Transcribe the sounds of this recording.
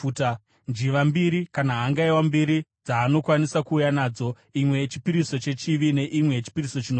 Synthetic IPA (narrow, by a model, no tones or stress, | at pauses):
t | nd͡ʒiʋambiɾikanaɦaŋɡaiwambiɾid͡zaːno̞kwanisakuːjanaːd͡zo̞ | imwe̞t͡ʃi̥piɾiso̞t͡ʃe̞t͡ʃiʋine̞ʔimwe̞t͡ʃi̥piriso̞t͡ʃino